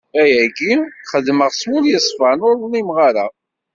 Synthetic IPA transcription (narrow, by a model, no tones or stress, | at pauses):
æjæɡiχəðməʁswʊljəsˤfanʊɾðlimʁaɾa